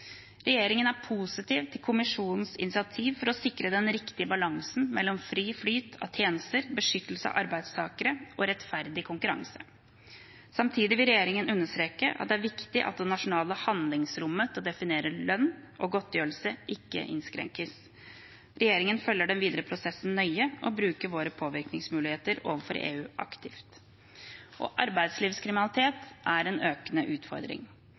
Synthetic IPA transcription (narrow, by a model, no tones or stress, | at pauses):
ɾɛjeːɾɪŋənæɾpʰuːsɪt̪iːʋt̪ʰɪlkʰʊmɪʂuːnn̩sɪ̰nɪsɪɑt̪ʰiːʋfɔɾɔsɪkɾəd̪ɛnɾɪkt̪ɪəbɑlɑŋsn̩mɛlːɔmfɾyːflyːt̪ʰɑ̰ʋt̪ʰjeːnəst̪əɾbəʂʏt̪ːl̩səɑ̰ʔɑɾbæɪd̪st̪ʰɑːkəɾəʔɔɾɛt̪fæɾd̪ɪkʰʊŋkʉɾɑ̰ŋsə | sɑmt̪ʰiːd̪ɪʋɪlɾɛjeːɾɪŋənʉnːəʂt̪ɾeːkəʔɑ̰t̪d̪ɛæɾʋɪkt̪ɪʔɑ̰t̪̚d̪ɛnɑʂʊnɑːləhɑnd̪lɪŋsɾʊmːəsɑd̪ɛfɪneːɾəlœnʔɔɡɔt̪ːjøːɾəl̩səʔɪkːə̰ʔɪ̰nskɾɛ̰ŋkəs | ɾɛjeːɾɪŋənfœlːəɖɛnʋiːd̪əɾəpʰɾʊsɛsn̩nœʏəʔɔbɾʉːkəɾʋoːɾəpʰoːʋɪɾknɪŋsmʉːlɪheːt̪əɾo̰ːʋənfɔɾḛːʉːʔɑ̰kt̪ɪft̪ | ʔɔ̰ʔɑɾbæɪd̪sliːʋskʰɾɪmɪnɑlɪt̪ʰeːt̪ʔæɾɛnøːkənəʔʉːt̪fɔ̰ɾd̪ɾɪ̰ŋ